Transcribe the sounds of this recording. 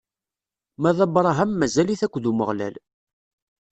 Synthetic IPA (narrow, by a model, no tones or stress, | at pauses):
mæðˤɑbɾˤɑɦæmːæzæliθækʷːðuməʁlæ̰l